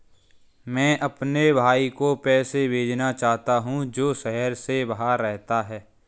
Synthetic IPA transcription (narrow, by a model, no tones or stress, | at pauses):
mɛ̃ːʔɐpnebʱaːikopɛːsebʱeːd͡ʒnat͡ʃaːɦt̪aɦũd͡ʒoːʃɛɦəɾsebɐɦaɾːɛɦt̪aɦɛː